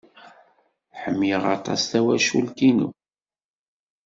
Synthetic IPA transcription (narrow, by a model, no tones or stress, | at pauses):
ħəmːjiʁɑ̰t̪ˤɑ̰sθæwæʃulkinṵ